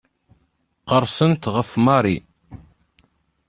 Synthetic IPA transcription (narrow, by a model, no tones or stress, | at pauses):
qəɾˤsənt̪ʁəfmɑɾˤi